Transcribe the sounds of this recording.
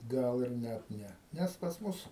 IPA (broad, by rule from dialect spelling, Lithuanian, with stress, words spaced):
ˈɡɐlˠ ɪr ˈnʲæt ˈnʲɛ ˈnʲæs pɐs ˈmʊs